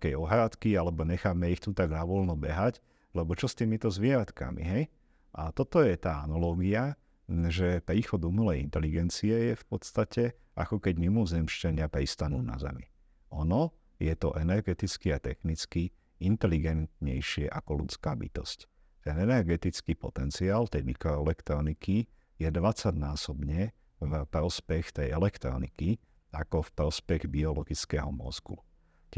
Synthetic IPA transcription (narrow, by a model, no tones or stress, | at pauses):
kɛjɔɦɾat̪kialɛbɔɲɛxamɛixt̪ut̪aɡnaʋɔlnɔbɛɦac | lɛbɔt͡ʃɔst̪iːmit̪ɔzʋɪɛɾat̪ka̰mḭɦɛj | ʔat̪ɔt̪ɔjɛt̪aːanalɔːɡia | ʒɛpɾiːxɔd̪umulɛjḭnt̪ɛliɡɛnt͡siɛjɛfpɔt̪st̪acɛ | ʔa̰kɔkɛɟmimɔzɛmʃt͡ʃaɲɪapɾist̪anṵːna̰zɛ̰mḭ | ɔnɔ | jɛt̪ɔʔɛnɛɾɡɛt̪it͡skiat̪ɛxnit͡ski | int̪ɛliɡɛnt̪ɲɛjʃɪɛʔakɔlṵt͡skaːbḭt̪ɔsc | t̪ɛnɛnɛɾɡɛt̪it͡skipɔ̰t̪ɛnt͡siaːlt̪ɛjmikɾɔɛlɛkt̪ɾɔniki | jɛd̪ʋat͡saɟnaːsɔbɲɛ | vpɾɔspɛxt̪ɛjɛlɛkt̪ɾɔ̰nḭki | akɔfpɾɔspɛɣbiɔlɔɡit͡skɛɦɔmɔ̰zɡṵ